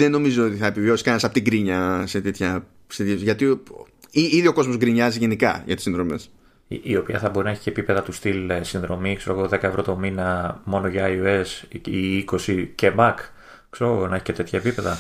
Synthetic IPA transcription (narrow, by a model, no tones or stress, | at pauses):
ðeno̞mizoot̪iθɐepiviosi̥skɐnsɐpot̪iɡɾiɲɐse̞t̪et̪çɐ | st̪jʝɐt̪iiiðio̞ko̞zmosɡɾiɲɐziʝe̞nikɐ̰ʝɐt̪isinðɾo̞me̞s | ḭʔio̞piɐθɐbo̞ɾinɐeçi̥ceːpipe̞ðɐt̪ust̪ilsinðɾo̞mikse̞ɾoɣoðe̞kɐevɾo̞t̪o̞minɐmo̞noʝɐːioe̞siiko̞sice̞mɐk | kseɾoonɐe̞çicet̪e̞t̪çɐepipe̞ðɐ